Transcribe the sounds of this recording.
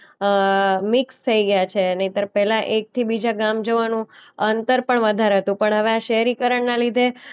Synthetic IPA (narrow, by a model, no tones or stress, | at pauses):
mɪkst̪ʰəiɡəjat͡ʃʰenəĩt̪əɾpɛɦlãʔek̚t̪ʰibid͡ʒaɡamd͡ʒəʋanũənt̪əɾpəɳʋəd̪ʱaɾɦət̪ũpəɳɦəʋeaʃəɦɾikəɾəɳnalid̪ʱe